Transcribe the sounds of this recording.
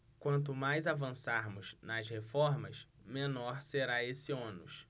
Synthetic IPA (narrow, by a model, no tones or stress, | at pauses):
kwɐ̃nt̪̬ʊmajzavɐ̃saɾmʊznɐshefɔɾmɐsmẽnɔɾseɾaesɪõnʊs